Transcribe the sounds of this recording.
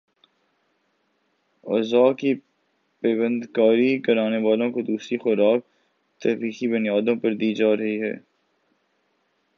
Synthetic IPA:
ɔ̰ːzaːki | pɛːbə̃nd̪kaːɾikɐɾaːneʋaːlõkod̪uːsɾixʊɾaːk̚ | t̪ɛfiːxibʊnijaːd̪õpɐɾd̪iːd͡ʒaːɾɐɦiɦɛ̰ː

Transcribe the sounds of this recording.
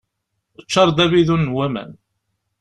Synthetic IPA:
ət͡ʃːɑɾˤd̪æβiðunːwæmæ̰n

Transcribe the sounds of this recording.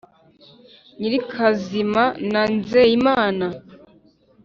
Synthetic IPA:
ɲiɾikʰazimananzejimaːna

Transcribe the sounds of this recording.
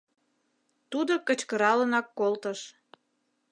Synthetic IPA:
t̪ud̪okət͡ɕkəɾɑlənɑkːolt̪əʃ

